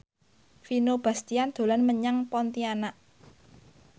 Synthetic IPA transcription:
finob̥ä̤st̪iand̪̥o̤lanməɲaŋpɔnt̪ianaʔ

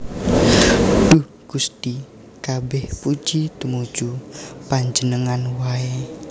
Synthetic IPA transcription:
d̥uh | ɡ̥ust̪i | kabɛhpud͡ʒit̪umud͡ʒupaɲd͡ʒənəŋanwae

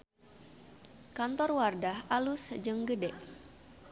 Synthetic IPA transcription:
kant̪ɔrwardahʔalusd͡ʒɨŋɡədɛʔ

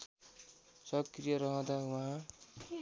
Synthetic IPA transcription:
sʌkrijʌɾʌɦʌ̃d̪awaɦã

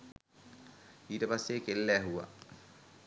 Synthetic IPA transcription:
iːʈəpasːeːkelːɛːɦuwa̰

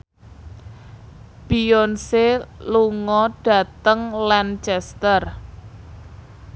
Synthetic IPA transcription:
b̥iɔnseluŋɔɖ̥a̤t̪əŋlant͡ʃɛst̪ər

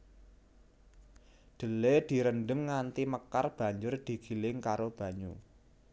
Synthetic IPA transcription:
d̪̥ə̤led̪̥i̤ɾənɖəŋːant̪iməkarb̥ä̤ɲd͡ʒʊrd̪̥i̤ɡ̥i̤lɪŋkaɾob̥ä̤ɲu

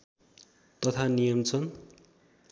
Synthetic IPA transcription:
t̪ʌt̪ʰanijʌmt͡sʰʌn

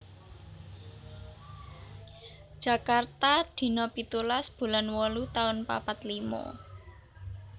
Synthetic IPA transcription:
d̥ʒ̥ä̤kart̪ad̪̥i̤nɔpit̪ulasb̥ṳlanwɔlut̪aʊnpa̰pat̪limɔ̰

